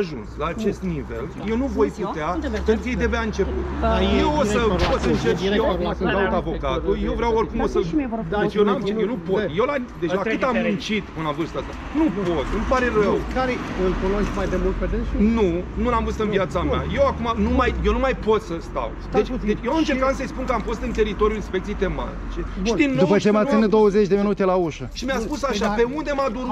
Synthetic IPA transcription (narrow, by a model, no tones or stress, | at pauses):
ʒṵnslaːt͡ʃe̞st̪nive̞̰lje̞wnuvojpueapenkjejd̪eaveaɨnt͡ʃe̞pṵt̪d̪ajewosəpot̪səɨnt͡ʃejewakumakɨnd̪at̪avo̞kat̪ujewvɾeaworkumosədet͡ʃjenjewnupo̞t̪je̞wlad̪e̞ʒʒakɨt̪amɨnt͡ʃit̪ɨnavɨrst̪ast̪a | nupo̞t̪nupaɾe̞rəwkaɾeɨlkunosk̪majd̪emult̪ped̪eʃnunulamvɨst̪ɨnviat̪samea̰je̞wakumanumajje̞wnumajpo̞t̪səst̪a̰wd̪et͡ʃʲd̪e̞t͡ʃje̞wamɨnt͡ʃeɾkat̪səjspunkəamfo̞st̪ɨnt̪e̞ɾit̪oɾjuinspe̞k̚t̪iejt̪e̞ma̰t̪it͡ʃe̞ʃid̪indːouwpət͡ʃemasined̪o̞wəze̞t͡ʃʲd̪eminut̪elauʃəʃimjaspusaʃape̞und̪e̞mad̪u